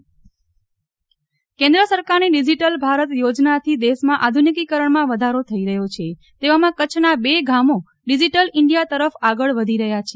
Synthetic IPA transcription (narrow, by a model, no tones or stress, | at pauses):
kẽnd̪ɾəsəɾkaɾniɖid͡ʒiʈəlbʱaɾət̪jod͡ʒnat̪ʰid̪eʃmãʔad̪ʱunikikəɾəɳmãʋəd̪ʱaɾot̪ʰəiɾəɦjot͡ʃʰe | t̪eʋamãkət͡ʃʰnabeɡamo | ɖid͡ʒiʈəlɪɳɖijat̪əɾəfaɡəɭʋəd̪ʱiɾəɦjat͡ʃʰe